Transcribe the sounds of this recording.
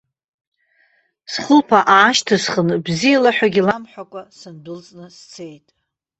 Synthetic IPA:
sχəlpʰaʔaːʃtʰɨsχənbzijalaħᶣaɡʲilamħʷᶣakʷʼasɨndɨlt͡sʼnɨst͡sʰe̞jtʼ

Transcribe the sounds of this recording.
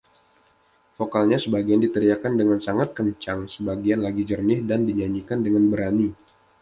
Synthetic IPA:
fokalɲasəbaɡiandit̪əɾiakandəŋansaŋat̪̚kəɲt͡ʃaŋsəbaɡianlaɡid͡ʒərnɪhdandiɲaɲikandəŋanbəɾani

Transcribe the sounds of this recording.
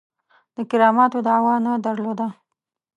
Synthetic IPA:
d̪̥əkɪɾɑmɑt̪od̪əawɑnad̪əɾlod̪a

